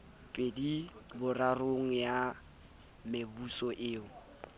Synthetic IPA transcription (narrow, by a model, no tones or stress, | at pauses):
pʼedibʊraroŋ̩ja | mebusɔʔɪːŋʊ